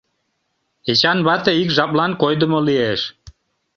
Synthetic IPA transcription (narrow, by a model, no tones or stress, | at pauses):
it͡ɕɑnβɑt̪əikʒɑplˠɑnkojd̪əmolieʃ